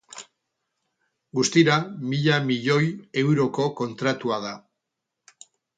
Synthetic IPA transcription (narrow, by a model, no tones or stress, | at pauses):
ɡust̪iɾamiʎamiʎo̞je̞wɾo̞ko̞ko̞nt̪ɾat̪uað̞a